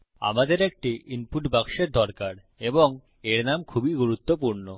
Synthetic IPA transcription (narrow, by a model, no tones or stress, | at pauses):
a̰mad̪eɾek̚ʈiʔinpuʈbakʃeɾd̪ʱɔɾkaɾ | eboŋ | eɾnamkʰubiɡuɾut̪ːopuɾno